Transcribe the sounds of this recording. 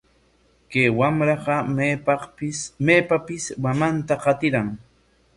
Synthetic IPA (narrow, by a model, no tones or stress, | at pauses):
kejwamɾɑɢɑpɑɪsmeːpapɪsmamant̪aqɑt̪ɪɾaŋ